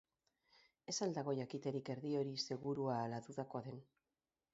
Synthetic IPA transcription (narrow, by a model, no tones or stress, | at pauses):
e̞sald̪aɣ̞o̞ʝakit̪e̞ɾike̞ɾðio̞ɾise̞ɣuɾuaːlat̪uðako̞aðe̞n